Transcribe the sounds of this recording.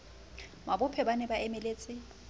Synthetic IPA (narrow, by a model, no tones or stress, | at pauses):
mabʊpʰɛbanɛbaʔɛmɛleːt͡sʼɪ